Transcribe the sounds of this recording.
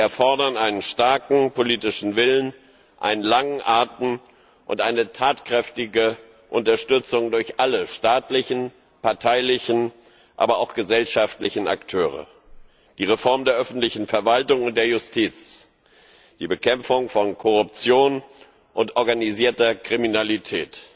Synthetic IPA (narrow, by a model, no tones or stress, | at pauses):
iɛɐfɔɐdɐnʔaɪnənʃtaɐkŋ̩poliːtɪʃn̩vɪlən | ʔa̰ɪnənlaŋən̩ʔaɐtn̩ | ʔʊ̰ntʔaɪnətʰaːtkʁ̥ɛftɪɡə | ʔʊntɐʃtʏt͡sʊŋdʊɐçʔaləʃtaːtlɪçn̩ | paɐtʰaɪlɪçn̩ | ʔa̰ːbɐaʊxɡ̥əzɛlʃaftlɪçn̩a̰ktʰøːʁ̞ə̰ | d̥iːʁ̞efɔɐmdeːɐʔœfn̩tlɪçn̩fɛɐvaltʊŋʊnt̚d̥eːɐjʊstʰiːt͡s | d̥iːbəkʰɛmfʊŋfɔnkʰɔʁʊp̚t͡sjoːn | ʔʊntʔɔɐɡaniziːɐtɐkʁ̥iminalitʰɛːt